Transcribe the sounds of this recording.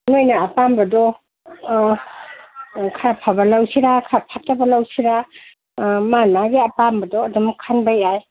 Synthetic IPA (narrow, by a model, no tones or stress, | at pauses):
nojnaːpambɐdɔ | kʰaɾapʰabɐlawsiɾakʰaɾapʰatabɐlawsiɾa | manmaɡiɐpambɐdɔːdɔmkʰanbajaj